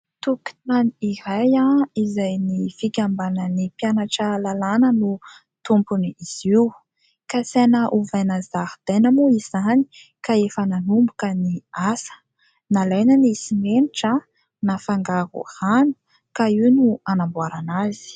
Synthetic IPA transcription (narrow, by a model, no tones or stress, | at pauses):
t̪uki̥maniiɾajaizajnifikʲambanənipjanaʈ͡ʂalalanənu | t̪umpuniiz̥iw | kasenəʔuvajnazaɾd̪̥ajnəmoizani̥ | kaefənanumbukəniasə̥ | nalajnanisimeniʈ͡ʂa | nafaŋɡaɾṵhanu̥ | kaiwnuanambwaɾanazi̥